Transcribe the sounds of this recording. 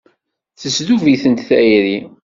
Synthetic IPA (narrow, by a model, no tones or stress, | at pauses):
θəsðuviθənt̪θæjɾi